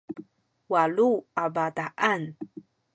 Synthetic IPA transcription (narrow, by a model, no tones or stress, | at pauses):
waluabadaʔan